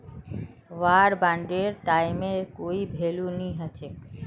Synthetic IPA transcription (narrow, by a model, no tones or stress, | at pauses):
waɾbaɳɖeɾʈajmeɾkoibʱeluniɦat͡ɕʰe